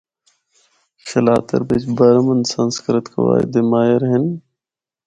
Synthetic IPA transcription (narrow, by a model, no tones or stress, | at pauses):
xʰɪlaːt̪ə̰ɾbet͡ʃbəɾmənsanskəɾət̪kʰə̰ʋa̰ːɪ̰d̪emaːjəɾɦɪn